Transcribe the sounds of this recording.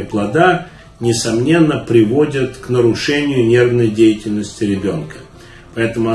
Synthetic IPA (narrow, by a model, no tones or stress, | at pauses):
əplˠɐd̪a | nʲɪsɐmnʲe̞nːəpɾʲɪvo̞dʲət̪knəɾʊʂɛnʲɪjʊnʲe̞rvnəjdʲejɪtʲɪlʲnəsʲtʲɪɾʲɪbʲo̞nkə | pɐɛt̪əmʊ